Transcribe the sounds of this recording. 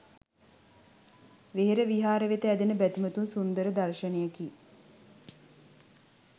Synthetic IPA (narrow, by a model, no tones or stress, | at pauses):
ʋeɦeɾəʋiɦaːɾəʋet̪əæd̪enəbæt̪imət̪unsund̪əɾəd̪arʃənejəki